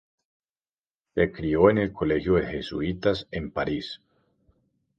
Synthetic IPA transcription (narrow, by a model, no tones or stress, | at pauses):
sekɾioenelkʰolexjoðexesṵit̪asempaɾis